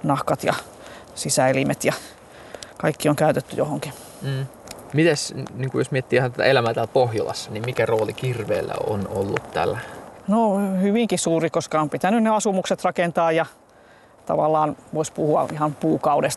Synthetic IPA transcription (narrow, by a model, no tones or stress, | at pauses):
nɑhkɑt̪jɑ̰ | sisæelimet̪jɑ | kɑikːioŋkæyt̪et̪ːyjohoŋkiː | mit̪æsniŋkujosmiet̪ːiːhnt̪æt̪æ̰elæmæːt̪ælpohjolɑ̰sːɑnimmikæroːlikirʋḛːlːæ̰o̰nolːut̪t̪æ̰lːænohyʋiŋkisuːrikoskɑompit̪ænynneɑsumukset̪rɑkent̪ɑːjjɑ | t̪ɑ̰ʋɑlːɑːnʋoispuhuɑ̰ihɑmpuːkɑudest̪